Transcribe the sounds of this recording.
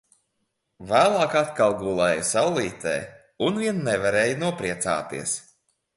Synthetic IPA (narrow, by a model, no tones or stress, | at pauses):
væːlˠɑːkat̪kalˠɡulˠɛːjusawlˠiːt̪ɛ̰ː | unviɛnːɛvaɾeːjunuɔpɾiɛt̪sa̰ːt̪ḭɛs